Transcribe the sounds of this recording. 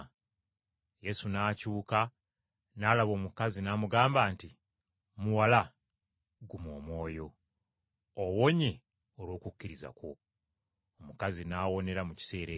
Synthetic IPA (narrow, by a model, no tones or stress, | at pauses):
je̞sunaːcuːka | naːlaβo̞ːmukazinaːmuɡaːmbaːnti | muwala | ɡumo̞ːmwo̞ːjo̞ | owo̞ɲe̞ | olwo̞ːkucːiɾiza̰ko̞ː | mukazinaːwo̞ne̞ɾamuci̥se̞ːɾe